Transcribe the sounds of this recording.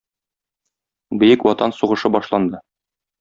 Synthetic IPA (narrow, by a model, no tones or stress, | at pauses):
bɘ̆jɘkwɒt̪ɑnsuʁɤ̆ʃɤbɒʃlˠɑnd̪ɤ